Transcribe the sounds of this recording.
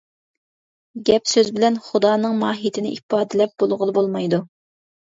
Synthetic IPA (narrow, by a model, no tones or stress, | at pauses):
ɡʲɛpsøzbɪlɛnχud̪ɑːnɨŋmɑːɦit̪ʰɪnɪʔipɑːd̪ɨlɛp̚b̥olˠʁʊlˠɨbolˠmɑjd̪u